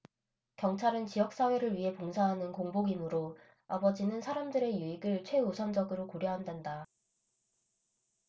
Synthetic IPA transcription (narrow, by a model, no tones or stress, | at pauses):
kjʌŋt͡ɕʰaɾɯnt͡ɕijʌk̚s͈awe̞ɾɯɭɥiɦe̞poŋsʰaɦanɯnkoŋboɡinɯɾo | abʌd͡ʑinɯnsʰaɾamdɯɾe̞juiɡɯɭt͡ɕʰwe̞usʰʌnd͡ʑʌɡɯɾokoɾjʌɦandwenda